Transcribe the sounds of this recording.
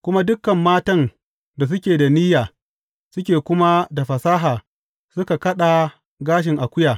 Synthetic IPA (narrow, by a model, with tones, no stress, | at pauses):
kʷʊ˦ma˦dʊ˦kːɐ˨mːaː˦tɐ˦n | da˨s̬ʊ˦kʲeː˨da˨ni˦jaː˨ | sʊ˦kʲeː˨kʷʊ˦ma˦da˨ɸɐ˨saː˦ɦaː˨ | sʊ˦ka˨kɐ˦ɗa˨ | ɡaː˦ʃ̬ɪ˨ŋʔa˨kʷʊ˦jaː˨